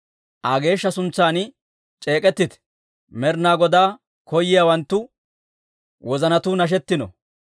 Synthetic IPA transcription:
ʔaɡe̞ːʃːɐsʊnt͡sːaːnɪ | t͡ʃʼe̞ːkʼɛt̪ːɪt̪ | mɛɾnaːɡɔd̪aː | kɔjːɪjaːwɐnt̪ːʊ | wɔzɐnɐt̪ʊnɐʃ̬ɛt̪ːɪnɔ̰

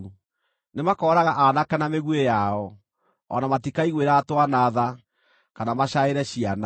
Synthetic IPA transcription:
nemakɔːɾaɣaʔanakɛnameɣwejaɔ | ɔnamatikaiɣweɾaːtwanaːða | kanamaɕaeɾɛɕiana

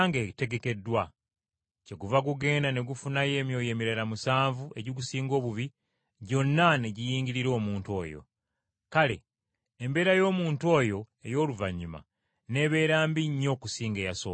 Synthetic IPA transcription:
ŋɡete̞ɡe̞ke̞dːwa | ce̞ɡuvaɡuɡe̞ːndane̞ɡufunaje̞ːmjo̞ːje̞ːmiɾalamusaːɱvuʔe̞ɟiɡusiːŋɡo̞ːβuβi | ɟo̞nːane̞ɟijiːŋɟiɾiɾo̞ːmuːntuo̞̰ːjo̰ | kale̞̰ː | mbe̞ːɾajo̞ːmuːntuo̞ːjo̞ | e̞jo̞ːluvaɲːuma̰ | ne̞ːβe̞ːɾaːmbiɲːo̞ːkusiːŋɡejaso̰ː

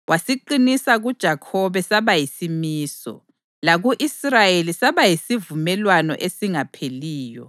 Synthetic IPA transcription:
wʔasiǃinisaɣud̥ʒ̥ʱakʰɔβɛsaβajisimiːsɔ̰ | laɣuʔisrajelisaβajisivumɛlwanɔ̰ʔesiŋapʰeliːjɔ̰

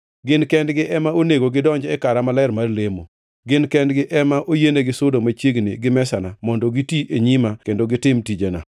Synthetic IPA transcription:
ɡɪnkɛndɡɪʔɛmaoneɡoɡɪdɔɲd͡ʒɛkaɾamalaɪrmarlemo̰ | ɡɪnkɛndɡɪʔɛmaʔojeneɡɪsʊdomat͡ʃjeɡnɪɡɪmɛsanamɔndɔɡitiʔeɲimakendoɡɪtɪmtid͡ʒena̰

